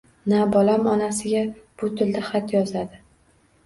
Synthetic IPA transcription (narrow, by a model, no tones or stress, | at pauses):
nabɒlamɒnasɪɡʲab̥ʊt̪ʰɪld̪aχat̪jɒzad̪ɪ